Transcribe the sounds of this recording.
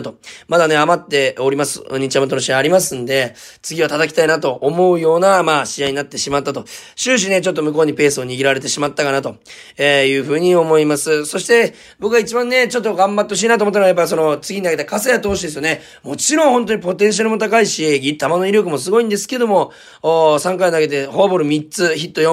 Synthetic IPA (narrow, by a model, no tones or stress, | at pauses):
t̪o̞mad̪ane̞amat̪ːe̞oɾʲimasɨ̥̰ɲ̟it͡ɕiamat̪onoɕiaaɾʲimas̬ɨ̃nd̪e̞ | t͡sɨɡʲiβat̪at̪akʲt̪ainat̪o̞ʔːmo̞ɯ̟jo̞ːnamaːɕijaiɲ̟inat̪ːe̞ɕimat̪ːat̪o̞ɕɨːɕ̬ine̞t͡ɕo̞t̪̬ːo̞mɯ̟k̬o̞ːɲ̟ipe̞ːsɨo̞ɲ̟iɡʲiɾaɾe̞t̪̬e̞ɕimat̪ːakanat̪o̞ | ejɯ̟ːɸɯ̟ːɲ̟io̞mo̞imasɨso̞ɕi̥t̪e̞ | bo̞kɯɡait͡ɕibãnːe̞t͡ɕo̞t̪ːo̞ɡãmbat̪ːo̞ɕ̬iːnat̪oːmot̪ːaɾoajapːaɾiso̞no̞t͡sɨɡʲiɲinaɡet̪akasejat̪o̞ːɕid̪esɨjone | mo̞t͡ɕiɾõ̞ɰ̃hont̪̬o̞ɲ̟ipo̞t̪ẽɰ̃ɕ̬aɾɯmo̞t̪̬akaiɕieɡʲit̪amano̞iɾʲjo̞k̬ɯ̟mo̞s̬ɨɡo̞ĩnd̪e̞sɨ̥ke̞d̪o̞mo̞ː | sãŋkainaɡe̞t̪e̞hoβabo̞ɾɯ̟mʲitt͡sɨçit̪ːo̞jo